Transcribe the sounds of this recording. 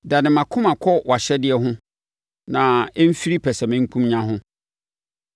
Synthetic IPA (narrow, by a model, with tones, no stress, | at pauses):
da˨nɪ̃˨mã˨kʰʊ̃˦mã˨kʰɔ˦wa˨ɕɛ˦dɪ˦ɛ˦ɦʊ̃˦ | nã˨ɛ˦m̩˦fi˦ɾi˦pʰɛ˨sɛ˨mɪ̃˦ŋ̩˦kʰũ˦mɲã˦ɦʊ̃˦